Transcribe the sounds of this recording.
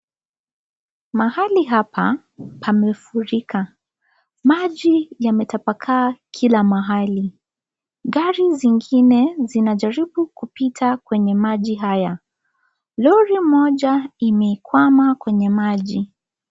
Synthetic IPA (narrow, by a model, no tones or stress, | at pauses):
mahaliɦapʰa | pʰamɛfuɾikʰa | maʄijamɛtapakʰaːkʰilamaɦali | ɠaɾiziŋɡinɛzinaʄaɾiɓukupitʰakwɛɲɛmaʄiɦaja | lɔɾim̩ɔʄaimɛikwamakwɛɲɛmaʄi